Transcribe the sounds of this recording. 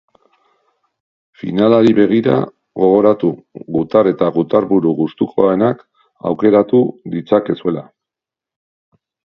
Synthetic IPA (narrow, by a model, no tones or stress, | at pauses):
fḭnalaɾiβe̞ɣ̞iɾa̰ | ɣo̞ɣ̞o̞ɾat̪uɣut̪are̞t̪aɣut̪aɾβuɾuɣust̪ukʰo̞aenak | a̰wke̞ɾat̪uðit͡sake̞sue̞la